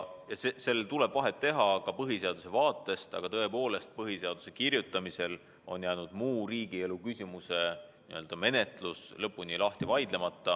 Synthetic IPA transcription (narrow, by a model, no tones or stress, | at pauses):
jɑsese̞lːelt̪ule̞b̥vɑɦe̞t̪ːe̞ɦɑkɑpɤɦise̞ɑd̪use̞vɑːt̪ːˑe̞st̪ɑ̰ɡ̥ɑt̪ɤ̞e̞po̞ːle̞st̪̚pɤɦiseɑd̪̥u̥se̞kirjut̪ːˑɑmise̞l | o̞̰njæjnud̪̥muːriːɡielukysʲimuse̞niø̞ld̪ɑme̞ne̞t̪ˑluslɤpːˑunilɑht̪ivɑjd̪̥le̞mɑt̪ːɑ